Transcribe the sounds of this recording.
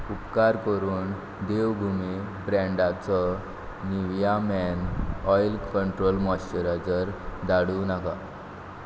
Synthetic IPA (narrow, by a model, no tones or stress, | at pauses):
upkaɾkəɾuːn | d̪eʋbʱumi | bɾɛ̃ɳɖat͡sɔ | niʋjamɛnɔjlkəɳʈɾolmɔɕt͡ɕəɾat͡səɾd̪aɽunaka